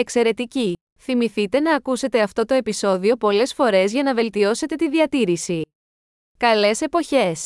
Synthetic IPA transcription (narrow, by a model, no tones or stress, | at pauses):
ekse̞ɾe̞t̪ici | θimiθit̪e̞nɐːkuse̞t̪e̞ɐft̪o̞t̪o̞e̞piso̞ðio̞po̞le̞sfo̞ɾe̞zʝɐnɐve̞lt̪io̞se̞t̪e̞t̪iðiɐt̪iɾisi | kɐle̞se̞po̞çe̞s